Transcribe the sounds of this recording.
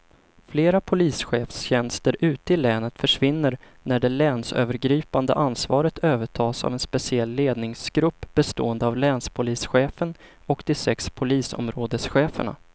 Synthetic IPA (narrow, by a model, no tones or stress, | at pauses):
fleːɾapʰʊliːsɧeːfsɕɛnst̪əɾʔʉ̟ːt̪əɪlɛːnət̪fœʂvɪnːəɾ | næɖɛlɛːnsø̰ːvəɾɡɾiːpand̪ə̰ʔansvɑːɾət̪ʰøːvəʈʰɑːsa̰vɛnspɛsɪɛlːeːd̪nɪŋsɡ̥ɾɵpːb̥ɛst̪o̰ːənd̪əavlɛːnspʰʊliːsɧeːfən | ɔkd̪̥ɪsɛkspʰʊliːsɔ̰mɾoːd̪əsɧeːfə̰ɳa̰